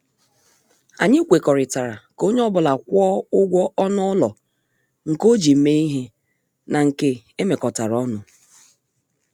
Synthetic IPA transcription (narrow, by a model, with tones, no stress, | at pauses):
a˨ɲɪ˦kʷe˨kɔ˨ɾɪ˨ta˨ɾa˨ko˦ɲe˦ɔ˦bʊ˨la˨kʷɔ˦ʊ˦ɡʷɔ˦ɔ˦nʊ˦ɔ˦lɔ˨ | ŋ̩˨ko˦d͡ʒi˨m̩˦me˦i˦ɦe˦ | na˨ŋ̩˨ke˦ | e˦me˨kɔ˨ta˨ɾɔ˦nʊ˨